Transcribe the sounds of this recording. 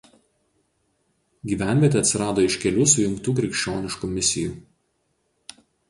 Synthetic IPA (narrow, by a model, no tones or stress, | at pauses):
ɡʲiːʋʲæˑnʲʋʲiɛt̪ʲɛɐt̪ʲsʲɪɾɑːd̪oːɪʃʲkʲɛlʲuːsʊjʊŋkt̪uːk̬ɾʲɛkʃʲt͡ʃʲoːnʲɪʃkuːmʲɪsʲɪjṵː